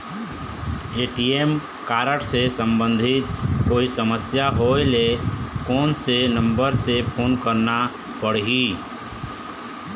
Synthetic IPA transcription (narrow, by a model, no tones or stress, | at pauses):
eːʈiːem | kaːɾəʈsesə̃mbə̃nd̪ʱɪt̪koːisəməsjaɦoelekɔːnsenə̃mbəɾsepʰoːnkəɾna | pəɽ̤ɦiː